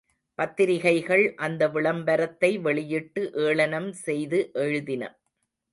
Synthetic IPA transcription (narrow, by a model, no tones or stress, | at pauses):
pɐt̪ːɪɾɪɣɐɪɣɐɭʔɐnd̪ɐʋɪɭɐmbɐɾɐt̪ːɐɪʋɛɭɪjɪʈːɯʔeːɭɐnɐmsɛjðɯʔɛɻɯðɪnɐ̰